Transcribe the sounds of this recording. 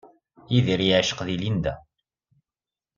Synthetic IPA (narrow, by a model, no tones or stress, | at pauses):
iðiɾiʕʃə̥qðilind̪æ̰